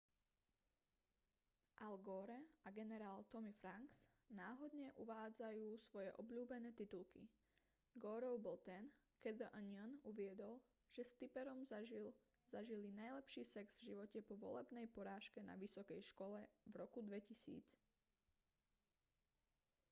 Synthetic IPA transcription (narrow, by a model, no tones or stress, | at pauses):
ʔalɡɔːɾɛaɡɛnɛɾaːlt̪ɔmifɾaŋɡs | naːɦɔd̪ɲɛʔuʋaːd͡zajuːsʋɔjɛ̰ʔɔbʎuːbɛnɛːt̪it̪ulkḭ | ɡɔːɾɔʊbɔlt̪ɛn | kɛd̪əʔənanuʋɪɛd̪ɔl | ʒ̥ɛst̪ipɛɾɔmil | zaʒilinajlɛpʃiːsɛɡz̥vʒiʋɔcɛpɔʋɔ̰lɛbnɛjpɔɾaːʃkɛna̰ʋisɔkɛjʃkɔlɛvɾɔkud̪ʋɛcisḭːt͡s